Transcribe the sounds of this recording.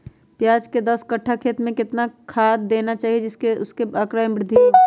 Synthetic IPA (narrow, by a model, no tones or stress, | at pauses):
pjaːd͡ʒked̪ɐskəʈʰːakʰeːt̪mẽkɪt̪nakʰaːd̪ːeːnat͡ʃaːɦied͡ʒɪskeʊskeəkɾaːjbɾɪd̪ʱːio